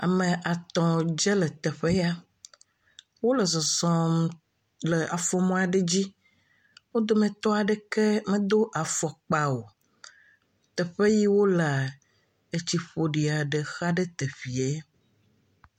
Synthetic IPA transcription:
a̰˨mẽ˨ʔa˨t̪ɔ̃˨d͡ʒɛ˦le˨t̪ɛ˨ɸe˦ja˦ | wo˦lə˨zɔ˨zɔ̃˨m | le˨a˨fɔ˦˨mɔ̃˦a˨ɖe˦d͡ʑi˦ | wo˦d̪o˦mẽ˨t̪ɔ˦a˨ɖe˦ke˦mẽ˦d̪o˦ʔa˨fɔ˨k͡pa˨wo˨ | t̪ɛ˨ɸe˦ji˦wo˦la˨ | e˨t͡ɕi˦ɸo˨ɖi˨a˨ɖe˨xa˦ɖe˦t̪e˨ɸi˨e˦

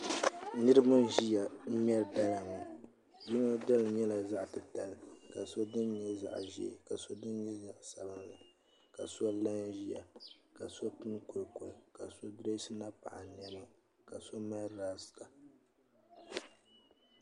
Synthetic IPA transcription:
nɨ˦ɾɨ˦ma˦ʒi˦ja˨m̩˦m˦ɛ˦ɾda˦la˨mu˨ | ji˦no˦da˦lɲɛ˦la˨za˦ʔtɨ˨ta˨lka˨so˦dɨ˦n˦ɲɛ˦za̰˦˨ʔʒḭ˦˨ka˨so˦dɨ˦n˦ɲɛ˦za˦ʔsa˨bɨ˦nla˨ | ka˨so˦la˦n˦ʒi˦ja˨ka˨so˦tu˦n˦ko˨ɾko˨ka˨so˦dɾe˦sɨ˦na˦pa̰˨ʔa˨n˨ɛ˨na˦ | ka˨so˦ma˦ɾaː˦sɨ̥˨ka˨

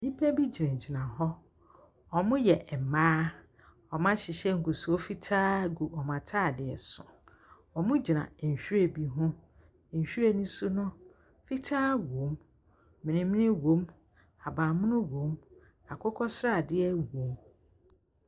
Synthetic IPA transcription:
nĩ˦pʰɛ˦bi˦d͡ʑi˨ã˨ɲ˨d͡ʑi˨nã˨ɦɔ˦ | ɔ˨mʊ̃˦jɛ˨ʔ̩˨maː˦ | ɔ˨mã˦ɕɪ˨ɕɛ˦ŋ̩˨ku˨su˨o˦fi˦tʰaː˦ɡu˨ʔɔ˨mã˨tʰaː˦˨dɪ˨ɛ̰˨sʊ̰̃˨ | ɔ˨mʊ̃˦d͡ʑi˨nã̰˨ɲ˨ɕᶣu˦e˦bi˦ɦʊ̃˦˨ | ɲ̩˨ɕᶣu˦ɾe˨nʊ̃˦su˦nʊ̃˦ | fi˦tʰaː˦wo˨˦m | mɪ̃˨nɪ̃˨m̃˦nɪ̃˦wõ˦m | a˨bãː˨mʊ̃˦nʊ̃˦wõ˨˦m | a˨kʰʊ˦kʰɔ˦sɾa˦˨dɪ˦ɛ˦wõ˨˦m

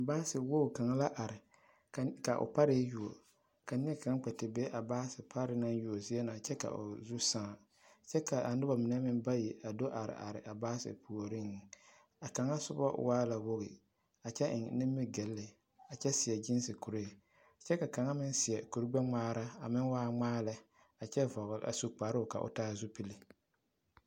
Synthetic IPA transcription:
baː˦sɪ˨wo˦˨ka˨ŋa˦la˦ʔa˨ɾɪ˨ | kka˨ʔʊ̰˨pa˦ɾɪ˦ju˨o̰˨ | ka˨nɪ˦ɛ˦ka˦ŋ˦k͡pɛ˨tɪ˨bɛ˦ʔa˨baː˦sɪ˨pʰa˦ɾɪ˨na˦ŋju˨o˨zi˦ɛ˦na˨t͡ʃɛ˦ka̰˨ʔʊ̰˨zu˦sã˦˨ | t͡ʃɛ˦ka˨ʔa˨nɪ˦ba˨mɪ˨nɛ˦mɪ˦nba˦ji˨ʔa˨do˦ʔa˨ɾɪ̰˨ʔa̰˨ɾɪ̰˨ʔa˨baː˦sɪ̰˨pu˨o˨ɾɪ˦ŋ˨ | a˨ka˨ŋa˦sʊ˦bɔ̰˦waː˦la˨wʊ˦ɣɪ̰˨ | a˨t͡ʃɛ˦ʔɪ̰˨ŋnɪ˦mːɪ˦ɡɛ˨lːɪ˨ | a˨t͡ʃɛ˦sɪ˨ɛ˨d͡ʒɪ˦n˦sɪ˨ku˨ɾe˦˨ | t͡ʃɛ˦ka˨ka˨ŋa˦mɪ˦nsɪ˨ɛ˨ku˨ɾi˦ɡ͡bɛ˦ŋ͡maː˦ɾa˦a̰˨mɪ˦nwaː˦ŋ͡maː˦lɪ˦ | a˨t͡ʃɛ˦vɔ˨ɣʊ˨ʔa̰˨su˨k͡pa˨˦ɾka̰˨ʔʊ̰˨taː˦zu˦pi˦li˦

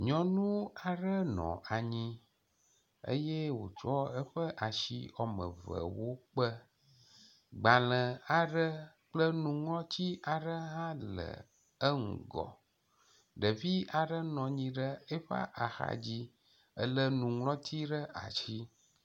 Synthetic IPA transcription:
ɲɔ̃˨nũ˦a˨ɖə˦nɔ̰̃˨ʔa˨ɲĩ˦ | ə̰˦je˦wo̰˨t͡ʃɔ˦ə˦ɸə˦ʔa˨ʃḭ˨ɔ˨mə̰̃˨və̰˨wo˦k͡pə˦ | ɡ͡ba˨lə̃˨a˨ɖə˦ | k͡plə˦nũ˨ŋlɔ̃˦t͡ɕi˦a˨ɖə˦ɦã˦lə̰˨ | ə˦ŋṵ̃˨ɡɔ̰˨ | ɖə˨vi˦a˨ɖə˦nɔ̃˨ɲĩ˦ɖə˦e˦ɸa̰˦ʔa˨xa̰˨d͡ʑi˦ | ə̰˦lə˦nũ˨ŋlɔ̃˦t̪ʰi˦ɖə˦ʔa̰˨t͡ɕi˦

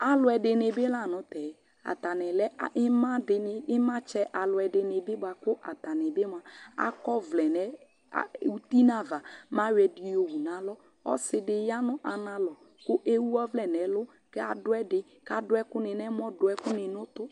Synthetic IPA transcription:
a˨lʊ˨˦ɛ˨dɪ˨nɪ˨bɪ˦la˦˨nʊ˨˦tɛ˨ | a̰˨t̪a˨nɛ˨lɛ˦˨˦ma˦dɪ˨n˨ɪ˦mã˦t͡ʃɛ˦ʔa˨lʊ˨ɛ˨dɪ˨nɪ˨bɪ˦ba˨kʊ˦ʔa˨t̪a˨nɛ˨bɪ˦m˦a˨a̰˦kɔ˦vlɛ˨nɛ̰˨ | u˦t̪i˦na˦˨va˨ma˦wɛ˨dɪ˨jo˨wu˨na˨˦lɔ˦ | ɔ̰˦sɪ˦dɪ˨ja˦nʊ˦ʔa˨na˦lɔ˨ | kʊ˦ʔe˦wu˦ɔ˦vlɛ˨nɛ˨˦lʊ˦ | kɛ˦a˨dʊ˦ɛ˦dɪ˦ | ka˨dʊ˨˦ɛ˦kʊ˦nɪ˨nɛ˦m˦ɔ˦dʊ˨ɛ˦kʊ˦nɪ˨nʊ˦tʊ˦

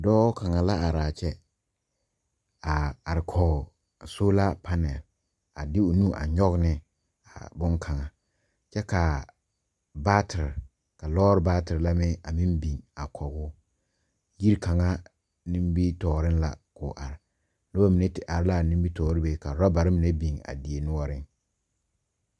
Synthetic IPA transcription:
dɔː˦ka˨ŋa˨la˦a˨ɾaː˨t͡ʃɛ˦ | a˨a˨ɾɪ˨kʰɔ˨ɡ | so˦la˦pʰa˦nɛ˨l | a˨dɪ˦ʊ˨nũ˦ʔa̰˨ɲɔ˦ɣnɪ˦ | a̰˨bʊ˦ŋkʰa˨ŋa˨ | t͡ʃɛ˦ka˨ | baː˦tʰɪ˨ɾɪ˨ | ka˨lɔː˦ɾɪ˦baː˦tɪ˨ɾɪ˨la˦mɪ˦a˨mĩ˦nbi˨ŋa˨kʰɔ˨ɡʊ˦ | ji˦ɾka˨ŋa˦ | nĩ˦mbi˦tɔː˨ɾɪ˦nla̰˨kʊ˨ʔa˨ɾɪ˨ | nʊ˦ba˦mi˨ne˦tɪ˨ʔa˨ɾɪ˦la˦˨nĩ˦m˦bi˦tɔː˨˦ɾɪ˦be˦ka˨ɾɔ˦ba˨ɾɪ˦mi˨ne˦bi˨ŋa̰˨dɪ˨e˨nʊ˦ɔ˦ɾɪ˦ŋ

